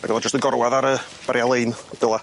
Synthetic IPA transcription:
a̰ɡɛlˠɔd͡ʒəstənɡɔɾwaðaɾə | b̥aɾjalˠeɨnd̥əlˠa

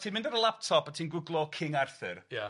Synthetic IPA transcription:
tʰiːnmɪ̃ndaɾəlˠap̚tʰɔpatʰiːnɡwʊɡlˠɔkʰɪŋarθɨrja

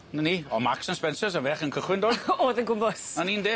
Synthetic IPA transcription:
nəniːɔmaksənspɛnsəsavɛχənkʰəχwɪndoːoːðənɡʊmbɔsaniːndeː

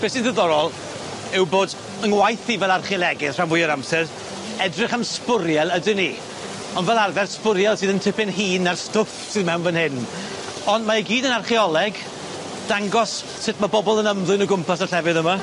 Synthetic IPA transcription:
b̥eːsindəðɔɾɔlˠ | ɪwboːd | ənwajθivɛlˠarχiɔlˠɛɡɪθr̥awmʊjəɾamsɛr | ɛdrɨχamspʊɾjɛlˠədɪni | ɔnvɛlˠarvɛrspʊɾjɛlˠsiːðəntʰɪpɪnɦiːnarstʊfsɨðmɛwnvənhɪn | ɔndmaiɡiːdənarχiɔlˠɛɡ | d̥aŋɡɔs | sɪtʰmabɔbɔlˠənəmlˠʊɨnɔɡʊmpʰas̬aɬɛvɨðəma

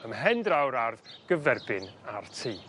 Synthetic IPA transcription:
əmɦɛndrawɾarðɡ̥əvɛrbɪnartʰiː

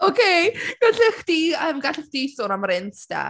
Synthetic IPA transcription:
okʰeɡ̥aɬɪχd̥iəmɡaɬɪχd̥isʊnamɾɪntd̥a̰

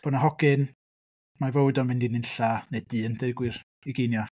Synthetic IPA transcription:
b̥ɔnaɦɔɡ̥ɪn | mavowdɔnmɪndinɪnɬanedɨːəndʰeɡwɪr | iɡejnjɔ

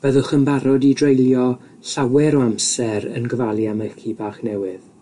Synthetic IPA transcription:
vɛðʊχəmbaɾɔdidrejljɔ | ɬawɛɾɔamsɛɾə̰nɡəvalˠjaməkʰibaːχnɛwɪð

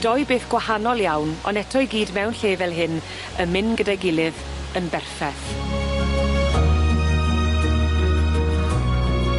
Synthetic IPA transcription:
d̥ɔjbeːθɡ̥wahanɔlˠjawnɔ̰nɛtʰɔjɡiːdmɛwnɬeːvɛlˠɦɨn | əmɪnɡədajɡɪlɪð | ənbɛrfɛθ

